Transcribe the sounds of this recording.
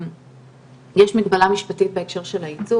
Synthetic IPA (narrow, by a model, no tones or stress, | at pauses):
jeʃmiɡbalamiʃpatit̚beekʃe̞ʁʃe̞lait͡su